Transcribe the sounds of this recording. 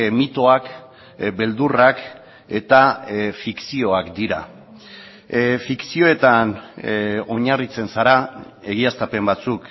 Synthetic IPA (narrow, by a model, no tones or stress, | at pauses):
mit̪o̞ak | be̞ld̪urak | e̞t̪afiksio̞akd̪iɾa | fiksio̞e̞t̪an | o̞ɲarit͡se̞nsaɾae̞ɣiast̪ape̞mbat͡suk